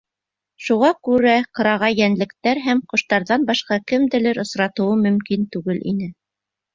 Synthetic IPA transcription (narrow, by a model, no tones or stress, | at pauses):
ʃuʁɑkʉɾæqɤ̆ɾɑʁɑjænlɘ̆kt̪æɾɦæmqŏʃt̪ɑɾðɑnbɑʃqɑkɘ̆md̪ɘ̆lɘɾɤ̆sɾɑt̪ɤ̆wɤmɵ̆mkint̪ʉɡɘlʔḭnɘ